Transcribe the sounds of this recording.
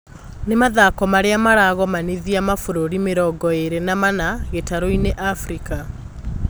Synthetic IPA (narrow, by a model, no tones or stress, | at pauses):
nemaðakɔmaɾeamaɾaɣɔmaniðiamafoɾoɾimeɾɔɡɔeɾenamanaɣetaɾoineʔafɾika